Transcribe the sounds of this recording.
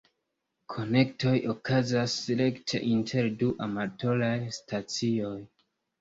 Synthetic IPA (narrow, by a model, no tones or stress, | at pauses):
kʰo̞ne̞k̚to̞jʔo̞kʰazasle̞ktʰḛʔintʰe̞ɾduʔamato̞lajstʰat͡sio̞j